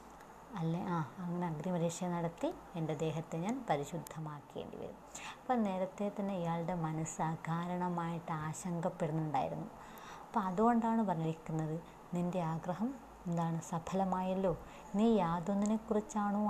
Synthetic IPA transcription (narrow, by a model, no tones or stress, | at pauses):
ɐlːeʔaːɐŋːɐneɐɡd̪imɐɾiʂjɐnɐɽɐt̪ːi | e̞nded̪e̞ːɦɐt̪ːe̞ɲaːnpɐɾiɕud̪ʱːɐmaːkːḛːɳɖḭʋɐ̰ɾṵmːɐpːoːne̞ːɾɐt̪ːe̞t̪ɐnːe̞ijaːɭɽe̞mɐnɐsɨaɡʱaːɾɐɳɐmaːjiʈːɨaːɕɐŋɡɐpːeɽunːuɳɖa̰ːjḭɾṵnːu | ɐpːoːɐðuɣo̞ɳɖaːɳɨpɐrɐjiɾikʲːunːɐðɨ | ninde̞aːɡrɐɦɐm | end̪aːɳɨsɐbʰɐlɐmaːjɐlːo̞ː | niːjaːðonːinekːurit͡ɕːaːɳu